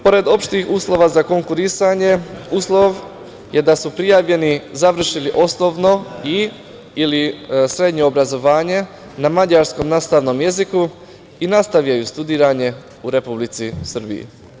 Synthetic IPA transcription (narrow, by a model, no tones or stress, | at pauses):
po̞ɾe̞d̪o̞pʃt̪ixuːslˠo̞ʋazako̞ŋkuɾisaɲe̞uːslˠo̞ʋ | je̞d̪asupɾijaːʋʎe̞nizaʋr̩ʃiliʔo̞snoʋno̞i | ilisɾe̞d̪ɲo̞ːbɾazo̞ʋaːɲe̞ | namad͡ʑaɾsko̞mnaːst̪aʋno̞mje̞ziku | inast̪aʋjajust̪ud̪iːɾaɲe̞ | uɾe̞publit̪sisr̩bḭjḭ